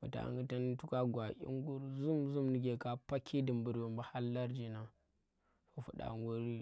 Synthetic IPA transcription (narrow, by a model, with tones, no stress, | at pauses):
fu˨ta̰˨ŋɡə˦ta˦n˦tu˦ka˦ɡʷa˨ʔʲḭ˦ŋɡu˦ɾzu˦mzu˦mni˨ɡʲe˨ka˦pa˦kʲʰi˦di˨mbu˨ɾwa˨mba˦ha˦lːa˦ɾd͡ʒi˨na˨ | fo˦fṵ˨ɗa̰˨ŋwu˦ɾi˦